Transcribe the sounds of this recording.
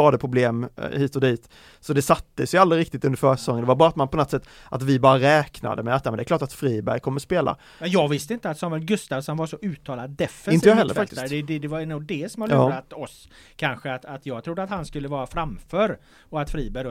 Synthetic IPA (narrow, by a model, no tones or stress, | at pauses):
ɑːd̪əpʰɾʊbleːmhiːt̪ɔd̪iːt̪ | sɔd̪ɛsat̪ːəsjʊald̪ɾɪɾɪk̚t̪ɪt̪ɵnd̪əɾfœːʂɛ̥sɔŋːənd̪ɛvaɾbɑːɾat̪manpʰɔnɔt̪sɛt̪ː | ʔat̪vɪbɑːɾaɾɛːkna̰d̪əmɛat̪jamɛnd̪ɛklɑːʈat̪fɾiːbæ̰ɾjkʰɔmːəspeːla̰ | mɛnjɑːɡvɪst̪əɪnt̪əat̪sɔmɛlɡɵst̪avsɔnvaʂɔʔʉ̟ːt̪ʰːɑːlad̪ːɛfɛɪnt̪əjɑːhɛlːəɾffak̚t̪ɪ̥sɾd̪ɛd̪ɛd̪ɛvanuːɡ̚d̪ɛsɔmalɑːɾat̪ɔs | kʰanɧəat̪at̪jɑːɡ̚t̪ʰɾʊd̪ːəat̪hanskɵlːəvɑːɾafɾamfœːɾ | ɔat̪fɾiːbæɾj